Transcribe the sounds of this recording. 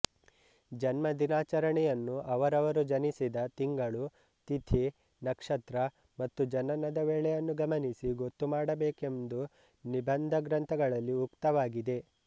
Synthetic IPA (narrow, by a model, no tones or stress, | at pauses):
d͡ʒɐnmɐd̪inaːt͡ʃɐɾɐɳɛjɐnːuʔɐʋɐɾɐʋɐɾud͡ʒɐnisid̪ɐt̪iŋɡɐɭu | t̪it̪ʰi | nɐkʂɐt̪ɾɐ | mɐt̪ːud͡ʒɐnɐnɐd̪ɐʋeːɭɛjɐnːuɡɐmɐnisiɡo̞t̪ːumaːɽɐbeːke̞md̪u | nibɐnd̪ʱɐɡɾɐnt̪ʰɐɡɐɭɐlːiukt̪ɐʋaːɡid̪e̞